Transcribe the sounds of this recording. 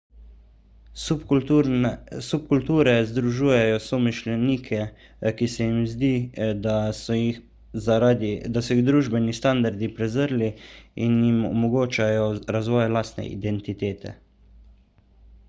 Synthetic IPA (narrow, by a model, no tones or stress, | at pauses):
sup̚kult̪uːɾɛzd̪ɾuʒuːjɛjɔsɔmiʃlɛniːkʰɛ | kisɛjimzd̪iːa | ad̪d̪asɔiɣd̪ɾuːʒbɛnist̪and̪aɾd̪ipɾɛzəɾliinjimɔ̰mɔɡoːt͡ʃajɔɾazʋɔːjlaːst̪nɛ̰ʔḭd̪ɛnt̪it̪eːt̪ʰɛ̰